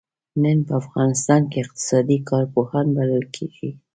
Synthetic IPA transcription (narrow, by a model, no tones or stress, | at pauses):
nənpəafɣɑnɪst̪ɑnkeɪq̚t̪ɪ̥sɑd̪ikʰɑɾpohɑnbaləlkʰeɡ̥i